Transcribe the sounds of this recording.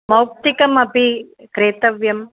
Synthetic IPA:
mɐwk̚t̪ikɐmɐpikɾeːt̪ɐʋjɐm

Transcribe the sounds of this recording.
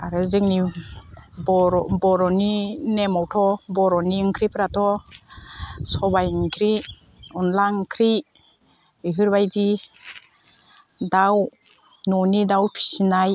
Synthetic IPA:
aɾɯzɯŋni | bɔɾbɔɾɔninemɔwtʰɔbɔɾɔniɯŋkʰɾipʰɾatʰɔ | sɔbajɯŋkʰɾi | ɔnlaŋkʰɾi | ɯɦɯɾbajdi | daw | nɔnidawpʰi̥sinaj

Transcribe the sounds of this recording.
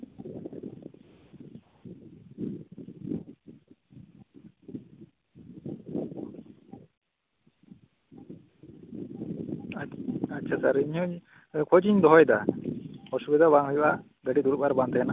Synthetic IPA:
atːt͡ʃʰasaɾiɲɔ | kʰɔd͡ʒiɲd̪ɔɦɔjd̪a | ɔsubɛd̪aβaŋɦɔjuʔa | ɡəɖid̪uɾupaɾbant̪ʰɛjana

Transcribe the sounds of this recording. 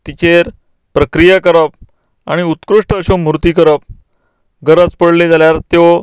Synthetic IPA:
t̪ikʰeɾ | pɾəkɾijakəɾəp̚ | aɽ̃iut̪kɾuʂʈəːɕomuɾt̪iːkəɾəp̚ | ɡəɾət͡spəɽled͡zaljaɾt̪jo

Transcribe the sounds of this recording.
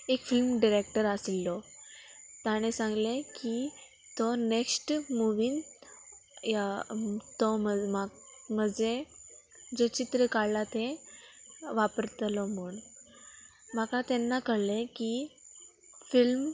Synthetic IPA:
ekfilmɖiɾek̚ʈəɾasilːɔ | t̪aɽ̃esãŋɡleki | t̪ɔneksʈmuʋiːn | jat̪ɔməmaməd͡ze | d͡zet͡ɕit̪ɾəkaɭlat̪ẽ | ʋapəɾt̪əlɔm̤uɳ | m̤akat̪enːakəɽleki | film

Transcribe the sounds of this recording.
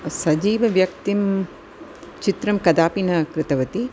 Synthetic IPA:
sɐd͡ʒiːʋɐʋjɐk̚t̪im | t͡ʃit̪ɾɐmkɐd̪aːpinɐkɾɪt̪ɐʋɐt̪i

